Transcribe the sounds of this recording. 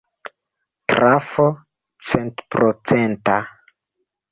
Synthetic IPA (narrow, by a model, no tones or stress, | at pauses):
tɾafo | t͡sentpɾot͡senta